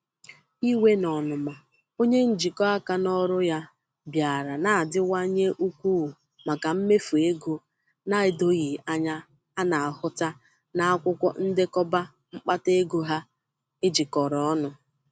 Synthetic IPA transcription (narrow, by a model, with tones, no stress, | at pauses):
i˦we˦nɔ˨nʊ˨ma˨ | o˦ɲe˦n̩˦d͡ʒi˨kɔ˦a˦ka˦nɔ˦ɾʊ˦ja˦ | bja˨ɾa˨na˨a˨dɪ˦wa˦ɲe˦ʔu˦kʷu˦˨ | ma˨ka˨m̩˦me˦fu˨e˦ɡo˦ | na˦ɪ˨do˦ɣi˨a˦ɲa˦ | a˦na˨a˨hʊ˦ta˦ | na˦a˦kʷʊ˦kʷɔ̰˦n̩˦dɪ˦kɔ˦ba˦ | ŋ͡m̩˦k͡pa˦te˦ɡo˦ɦa˦ | ɪ˦d͡ʒi˨kɔ˨ɾɔ˦ɔ˦nʊ˦